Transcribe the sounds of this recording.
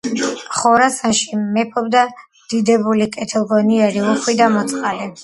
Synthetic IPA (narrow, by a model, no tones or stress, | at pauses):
χɔɾasanʃimɛpʰɔbd̪a | d̪̥id̪ɛbulikʼɛt̪ʰɛlˠɡɔniɛɾiuχwid̪amɔt̪sʼqʼalɛ